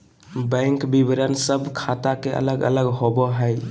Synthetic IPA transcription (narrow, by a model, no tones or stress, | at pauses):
bɛ̃ŋkbibɾənsəbʱkʰat̪akeʔə̰ləɡə̰ləɡɦobɔɦəj